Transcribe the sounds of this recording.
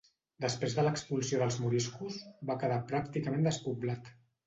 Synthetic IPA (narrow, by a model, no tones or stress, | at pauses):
d̪əspɾezðələkspulˠsioðəlˠzmuɾiskuzβakəðapɾak̚t̪ikəmẽnd̪əspublat̪